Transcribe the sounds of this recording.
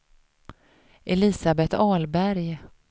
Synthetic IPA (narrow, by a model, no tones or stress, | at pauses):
ʔɛlɪsabɛt̪ɑːlbæɾj